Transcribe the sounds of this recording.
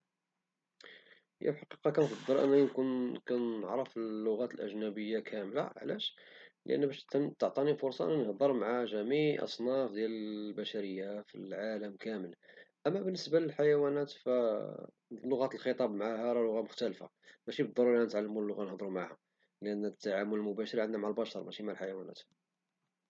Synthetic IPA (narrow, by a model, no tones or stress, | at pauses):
jæ̰bħɑqiqɑkænfɑd̪ˤːəɾʔə̰nːænkunkænəʕɾəfəlːʊɣæt̪əlʔæ̰ʒnæbəjːakʰæmlaʕlæ̰ʃləʔə̰nːbæʃt̪ːəʕt̪ˤɑnifʊɾsˤɑʔnːænhd̪ˤəɾˤmaʕaʒæmiʕʔɑ̰sˤnɑfd̪jæləbæʃæɾəjːafilʕaləmkæməlʔæmːæbənːəsbaləlħajæwænæt̪fæ | lːʊɣæt̪əlxət̪ˤɑbmaʕahæɾˤɑlʊɣamʊxt̪ælfa̰ | mæʃibəd̪ːˤɑɾuɾænət̪ʕalːəmunəlːʊɣanhd̪ˤɾumʕaha | lʔænːt̪ːaʕamʊləlmʊbæʃəɾˤʕənd̪næmaʕalbɑʃɑɾˤmæʃimaʕalħajæwænæ̰t̪